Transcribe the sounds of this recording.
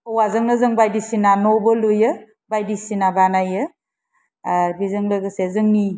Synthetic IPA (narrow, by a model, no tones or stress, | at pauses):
ɔwazɯŋnɯzɯŋbajdisinanɔbɯlujɯ | bajdisinabanajɯ | aɾbizɯŋlɯɡɯsezɯŋni